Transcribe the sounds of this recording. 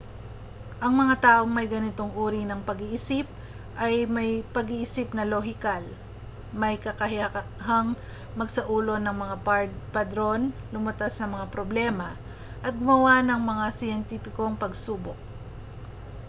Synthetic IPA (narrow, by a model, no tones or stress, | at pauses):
ʔɐŋmɐŋat̪aːʔo̞ŋmɐjɡɐnɪt̪o̞ŋʔuːɾinɐŋpɐɡiʔɪsip̚ | ʔɐjmɐjpɐɡiʔɪsɪpnɐloɦɪkal | mɐjkɐkɐhɪɐɐɦɐŋ | mɐɡsɐʔuːlo̞nɐŋmɐŋapɐd̪ɾo̞nlʊmɐt̪asnɐmɐŋapɾoblɛmɐ | ʔɐt̪̚ɡʊmɐwanɐŋmɐŋasɪjɛnt̪ipɪko̞ŋpɐɡsuːbok̚